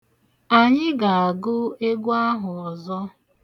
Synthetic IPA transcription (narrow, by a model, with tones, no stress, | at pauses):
a˨ɲɪ˦ɡa˨a˨ɡʊ˦e˦ɡʷa˦ɦʊ˨ɔ˨zɔ˦